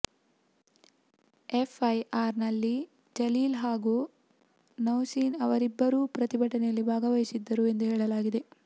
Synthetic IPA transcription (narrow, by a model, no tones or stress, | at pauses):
efɐjʔaːɾnɐlːi | d͡ʒɐliːlɦaːɡu | nɐwsiːnɐʋɐɾibːɐɾuːpɾɐt̪ibʱɐʈɐnɛjɐlːibʱaːɡɐʋɐjisid̪ːɐɾue̞nd̪uɦeːɭɐlaːɡid̪e̞